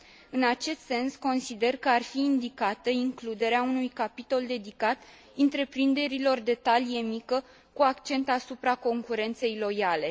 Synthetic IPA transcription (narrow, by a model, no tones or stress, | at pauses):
ɨnat͡ʃe̞st̪se̞nsko̞nsid̪e̞rkəarfiːnd̪ikat̪əiŋklud̪e̞ɾeaunujkapit̪o̞ld̪e̞d̪ikat̪ | ɨnt̪ɾe̞pɾind̪e̞ɾilo̞rd̪e̞t̪alije̞mikə | kuakt͡ʃe̞nt̪asupɾako̞ŋkuɾe̞nt̪se̞jlo̞jale̞